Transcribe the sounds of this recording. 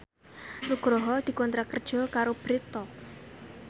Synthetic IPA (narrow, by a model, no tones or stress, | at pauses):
luɡ̥ɾɔɦɔld̪̥i̤kɔnt̪ɾakərd̥ʒ̥ɔ̤kaɾob̥ɾit̪ɔk̚